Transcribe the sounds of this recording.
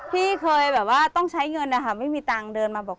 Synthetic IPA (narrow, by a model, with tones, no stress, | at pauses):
pʰiː˥˩kʰɤː˧jbɛː˨˩p̚waː˥˩t̪ɔ˥˩ŋt͡ɕʰa˦˥jŋɤ˧nːa˦˥˩kʰa˦˥˩ma˥˩jmiː˧t̪aː˧ŋdɤː˧nmaː˧bɔː˨˩k̚